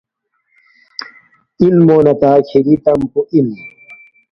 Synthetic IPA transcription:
ilmoːnɐt̪aːkʰiɾit̪ɐmpuʔin

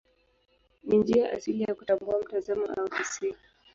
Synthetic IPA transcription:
nind͡ʒiaʔa̰siliaakutambuam̩tazama̰ʔaufisi

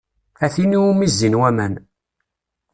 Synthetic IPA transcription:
æθiniwumizːinwæmæn

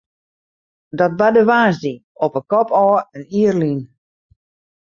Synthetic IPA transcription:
dɔt̚badəʋaːzdi | ɔpəkɔpɔːəniərlin

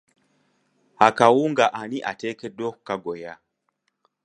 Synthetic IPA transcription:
hakawuŋɡaʔaniʔatɛkɛdɔhukaɡɔja

